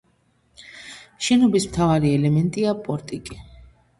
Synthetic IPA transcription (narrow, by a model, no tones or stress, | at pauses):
ʃɛnɔbismt̪ʰavaɾiɛlɛmɛnt̪ʼiapʼɔɾt̪ʼikʼi